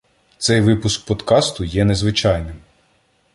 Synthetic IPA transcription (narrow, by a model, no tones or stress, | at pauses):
t̪sɛjʋɪpʊsk̚pɔd̪kɑst̪ʊjɛnezʋɪt͡ʃɑjnɪm